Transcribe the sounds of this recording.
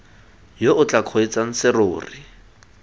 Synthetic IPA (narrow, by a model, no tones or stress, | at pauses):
joʔʊt͡ɬakʰoit͡saŋ̩sɪroʊːrɪ